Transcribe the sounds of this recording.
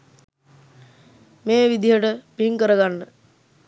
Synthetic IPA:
meːʋid̪iɦəʈəpiŋkəɾəɡanːə

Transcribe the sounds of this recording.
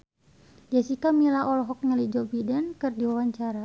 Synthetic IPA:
d͡ʒasikamilaʔɔlɔɦɔk̚ɲalid͡ʒɔbidɛnkɨrdiwawaɲt͡ʃaɾa

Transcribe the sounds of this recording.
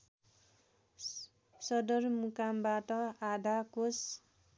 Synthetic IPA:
sʌd̪ʌrmukambaʈʌad̪ʱakos

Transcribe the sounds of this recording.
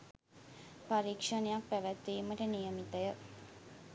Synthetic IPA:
paɾiːkʂənejak̚pæʋæt̪ːiːməʈənijəmit̪əjə

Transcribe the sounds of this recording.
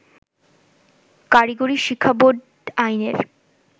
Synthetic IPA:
kaɾiɡoɾiʃikʰːabod̪ | ajneɾ

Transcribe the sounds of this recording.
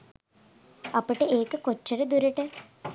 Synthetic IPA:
ɐpəʈəeːkəkot͡ʃːəɾəd̪uɾəʈə

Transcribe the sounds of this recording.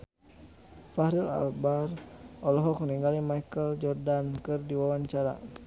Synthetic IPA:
fahɾila̰lbarʔɔlɔɦɔkŋəniŋɡalimajkəld͡ʒɔrdankɨrdiwawaɲt͡ʃaɾa̰

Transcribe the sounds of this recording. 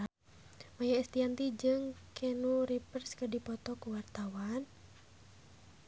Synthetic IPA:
majaist̪iant̪id͡ʒɨŋkʰɛnuɾipərskədipɔt̪ɔkuwart̪awan

